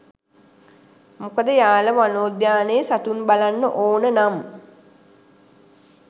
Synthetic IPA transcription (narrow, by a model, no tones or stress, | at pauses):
mukəd̪əjaːləʋanoːd̪jaːnəjəsat̪unbalanːəʔoːnənam